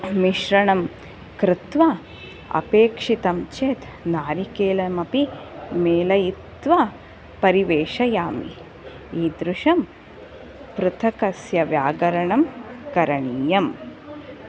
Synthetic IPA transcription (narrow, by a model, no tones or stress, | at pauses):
miʃɾɐɳɐm | kɾɪt̪ʋɐ | ɐ̰peːkʂit̪ɐmt͡ʃeːt̪ | naːɾikeːlɐmɐpimeːlɐjit̪ʋɐ | pɐɾiʋeːʃɐjaːmḭ | iːd̪ɾuʃɐm | pɾut̪ʰɐkɐsjɐʋjaːɡɐɾɐɳɐmkɐɾɐɳiːjɐm